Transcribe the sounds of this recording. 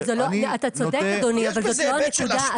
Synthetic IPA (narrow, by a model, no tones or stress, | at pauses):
zeloat̪at͡sod̪ekkad̪oniavalzot̪loanekud̪a